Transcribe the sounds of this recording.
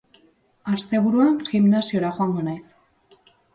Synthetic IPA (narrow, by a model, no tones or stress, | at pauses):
ast̪e̞βuɾuanʝimnasio̞ɾaxoaŋɡo̞najs